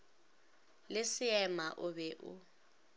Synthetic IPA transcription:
lɪsɪɛmaʔʊβɛʔʊ̰

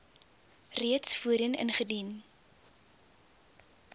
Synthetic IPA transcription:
riətsfuəɾənə̰nχədin

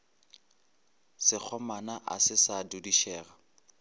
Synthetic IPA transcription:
sɪk͡xʰɔmanaʔa̰sɪsadudiʃɛːra

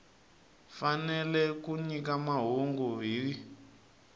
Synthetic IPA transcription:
fanɛlɛkuɲikamaɦuŋɡuβiːɺi

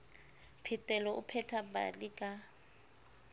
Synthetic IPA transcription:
pʰitʼɛlɔʔṵpʰɛtʰaba̰likʼa

